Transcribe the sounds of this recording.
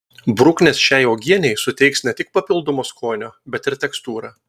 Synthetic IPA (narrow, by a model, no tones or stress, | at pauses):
bɾʊknʲesʃʲæɪoːɡʲiɛnʲɛɪsʊt̪ʲɛɪksnʲɛt̪ʲɪk̚pɐpʲɪlˠd̪ɔmoːskoːnʲoːbʲɛt̪ɪɾt̪ʲɛkst̪uːɾɐː